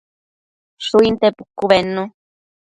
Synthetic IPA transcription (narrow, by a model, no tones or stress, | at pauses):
suint̪epukuβenũ